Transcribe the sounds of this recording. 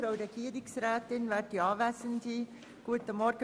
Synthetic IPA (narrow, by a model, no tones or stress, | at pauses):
ɾaʊɾɛɡ̥iːɾɪksrɛːtɪnvɛːɾdiɑːvæːsəndi | ɡ̥uətəmɔɾɡ̥ə